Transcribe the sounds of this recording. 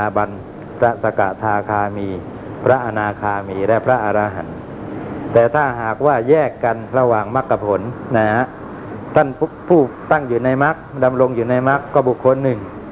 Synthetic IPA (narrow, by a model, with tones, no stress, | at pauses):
aː˧ba˧n | pʰɾa˦˥sa˧ka˨˩ʔt̪ʰaː˧kʰaː˧miː˧ | pʰɾa˦˥ʔa˧naː˧kʰaː˧miː˧lɛ˦˥pʰɾa˦˥ʔa˧ɾaː˧ɦa̰˩˦n | t̪ɛː˨˩t̪ʰaː˥˩ɦaː˨˩k̚waː˥˩jɛː˥˩kːa˧nɾa˧waː˨˩ŋma˦˥kːa˧˩pʰo˩˦nːa˦˥ | t̪ʰa˥˩npʰuː˥˩t̪a˥˩ŋjuː˨˩na˧jma˦˥k̚da˧mɾo˧ŋjuː˨˩na˧jma˦˥kːɔː˥˩bu˨˩kʰːo˧nːɯ˨˩ŋ